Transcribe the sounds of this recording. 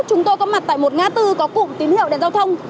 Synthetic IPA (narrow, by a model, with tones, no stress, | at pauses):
t͡ɕʊ˨˦ŋ͡mt̪o˧jkɔ˨˦ma˨˩t̚t̪a̰ː˧˨jmo˨˩t̚ŋaː˧t̪ɨ˧kɔ˨˦kʊ̰˧˨ŋ͡mt̪i˨˦nhḭ˧˨əwɗe˧nzaː˧wt̪ʰə˧wŋ͡m